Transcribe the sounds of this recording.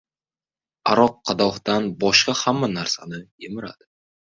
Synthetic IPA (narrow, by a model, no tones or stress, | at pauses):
aɾɒq̚ʰːɑd̪ɒχd̪anbɒʃqɑhamːanaɾsanɪemɪɾa̰d̪̥ɪ